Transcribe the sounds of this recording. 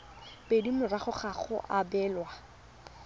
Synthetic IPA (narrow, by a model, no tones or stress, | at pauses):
pedimʊraχʊχaχʊ̰ʔabɛːlwa